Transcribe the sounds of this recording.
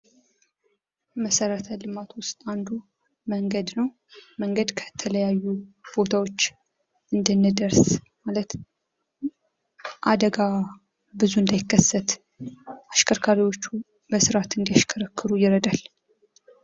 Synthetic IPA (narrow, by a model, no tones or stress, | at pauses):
məsəɾət̪ʰəlɨmat̪wʊst̪ʼand̪u | məŋɡəd̪nəw | məŋɡəd̪kʰə̥t̪ʰələjajːub̥o̞t̪ʰawo̞t͡ʃː | ɨnd̪ənːəd̪əɾsmalət̪ | ʔad̪əɡa | bɨzuɨnd̪ajɪkːəsːət̪ | aʃkʰəɾkʰaɾiwo̞t͡ʃːu | bəsɨɾat̪ɨnd̪ijaʃkʰəɾəkːɨɾujɪɾəd̪al